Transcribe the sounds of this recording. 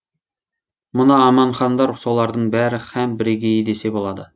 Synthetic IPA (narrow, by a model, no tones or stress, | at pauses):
mʊnɑːmɑɴχɑnd̪ɑɾsolˠɑɾd̪əɴbæɾɪχæmbɪɾɪɡʲejed̪esebolˠɑd̪ə